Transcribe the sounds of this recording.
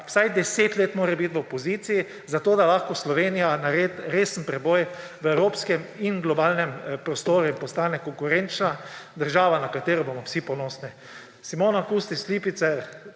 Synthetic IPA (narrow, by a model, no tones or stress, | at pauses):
w̥sajd̪ɛseːt̪leːt̪moːɾɛbit̪ʋəɔpɔziːt̪siji | zat̪oːd̪alaxkɔslɔʋeːnijanaɾet̪ɾeːsənpɾɛbɔj | ʋəɛwɾoːpskɛminɡlɔbaːlnɛmpɾɔst̪oːɾuimpɔst̪aːnɛkɔŋkʊɾɛnt͡ʃnad̪əɾʒaːʋanakat̪eːɾɔbomɔwsipɔnɔːsni | simoːnakuːst̪isliːpit̪sɛɾ